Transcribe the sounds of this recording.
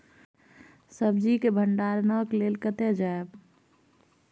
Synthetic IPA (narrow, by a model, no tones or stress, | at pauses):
səb̚d͡ʒikebʱəɳɖaɾnəklelkət̪ed͡ʒaeb